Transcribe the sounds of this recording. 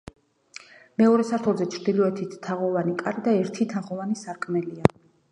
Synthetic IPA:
mɛɔɾɛsaɾt̪ʰɔlˠzɛt͡ʃʰɾd̪ilɔɛt̪ʰit̪ːʰaʁɔvanikʼaɾid̪aɛɾt̪ʰit̪ʰaʁɔvanisaɾkʼmɛlia

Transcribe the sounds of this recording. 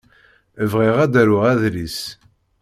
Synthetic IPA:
əvʁiʁæd̪æɾʊʁæðlis

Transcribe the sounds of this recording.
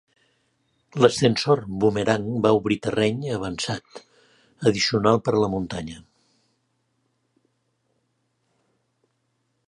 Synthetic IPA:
ləst̪ənsorβumeɾaŋbauβɾit̪ərɛɲəβ̞ənsat̪ | əðisiunalˠpəɾləmunt̪aɲə

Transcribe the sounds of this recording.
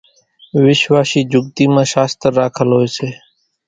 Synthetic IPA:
ʋɪʃʋaːsiːd͡ʒʱʊɡ̚t̪iːmãːʃaːst̪əɾːaːkʰəlɦoːeːseː

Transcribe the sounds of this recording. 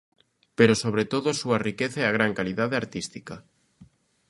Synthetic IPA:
peɾosoβɾet̪oðʊsuarikeθeaɣ̞ɾaŋkaliðaðeaɾt̪ist̪ikɐ

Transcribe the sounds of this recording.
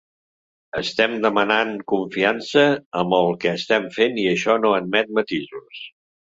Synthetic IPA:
əst̪ɛmd̪əmənaŋkuɱfiansəəmbəlˠkɛːst̪ɛmfeniəʃɔnoəd̪mɛt̪̚mət̪izus

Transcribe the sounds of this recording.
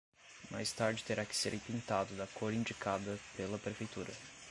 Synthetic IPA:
ma̰jst̪aɾd͡ʒɪt̪eɾakɪ̥seɾʔĩpĩnt̪ad̪ʊd̪ɐkʰoɾĩnd͡ʒikad̪ɐpelɐpɾefejt̪uɾɐ

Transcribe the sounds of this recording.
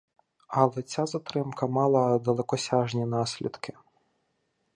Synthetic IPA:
ɐlˠɛt͡sʲazɐt̪ɾɪmkɐmɑlˠɐd̪ɐlˠɛkɔsʲaʒnʲinɑsʲlʲḭd̪kʰɪ

